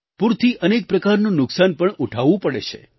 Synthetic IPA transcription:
puɾt̪ʰiʔənek̚pɾəkaɾnũnʊksanpəɳuʈʰaʋũpəɽet͡ʃʰḛ

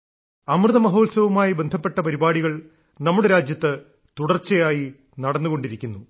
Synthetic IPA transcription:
ɐmrɨðɐmɐɦo̞ːlsɐʋumaːjibend̪ʱɐpːe̞ʈːɐpɐɾibaːɽiɣɐɭ | nɐmːuɽeɾaːd͡ʑjɐt̪ːɨ | t̪uɽɐrt͡ɕːɐjaːji | nɐɽɐnːuɣo̞ɳɖiɾikʲːunːu

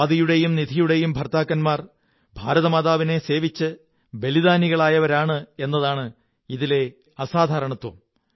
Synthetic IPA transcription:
d̪ijuɽe̞jumnid̪ʱijuɽe̞jumbʱɐrt̪aːkːɐnmaːr | bʱaːɾɐðɐmaːðaːʋine̞se̞ːʋit͡ɕːɨ | be̞liðaːniɣɐɭaːjɐʋɐɾaːɳɨe̞nːɐðaːɳɨ | iðile̞ | ɐsaːd̪ʱaːɾɐɳɐt̪ːwṵm

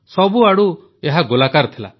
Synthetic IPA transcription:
sɔbuaɽu | eɦaɡolakaɾt̪ʰila̰

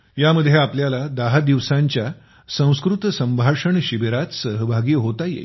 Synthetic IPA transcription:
jaməd̪ʱːjeapljalad̪əɦad̪iʋsaɲt͡ɕja | sə̃w̃skɾut̪sə̃mbʱaʂəɳɕibeɾat̪səɦəbʱaɡiːɦot̪ajḛ

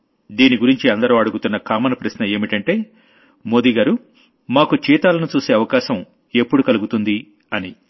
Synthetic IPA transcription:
d̪iːniɡuɾiɲt͡ʃiɐnd̪ɐɾuːɐɽuɡut̪unːɐkaːmɐnɐpɾɐʃnɐe̞ːmiʈɐɳʈe̞ː | mo̞ːd̪iɡaːɾu | maːkut͡ʃiːt̪aːlɐnut͡ʃuːse̞ːɐʋɐkaːʃɐm | e̞pːuɽukɐluɡut̪und̪i | ɐni

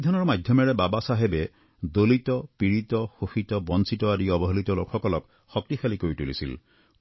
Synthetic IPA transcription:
id̪ʱɔnɔɹmadʱjɔmɛɹɛbabasaɦebe | d̪olitɔpiɹitɔxoxitɔbɔnsitɔadiɔbɔɦolit̪ɔlokʰxɔkɔlɔk | xɔk̚tixʰalikoɹitulḭsḭl

